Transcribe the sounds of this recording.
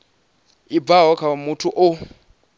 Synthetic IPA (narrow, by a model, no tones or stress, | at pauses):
ibvaɦɔkʰawamutʰuʔʊ